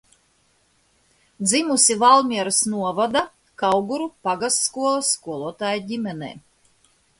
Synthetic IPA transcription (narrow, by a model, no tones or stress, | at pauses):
d̪zimusivalˠmʲiɛɾasnuɔvad̪a | kawɡuɾupaɡast̪skuɔlˠasːkuɔlˠuɔt̪aːjɟimɛnɛ̰ː